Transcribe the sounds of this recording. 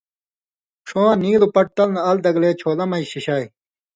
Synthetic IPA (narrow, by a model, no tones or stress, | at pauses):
ʂoːɐniːlupɐʈ̚t̪ɐlnɐɐld̪ɐɡleːt͡ɕʰoːlɐmɐiɕiɕaːj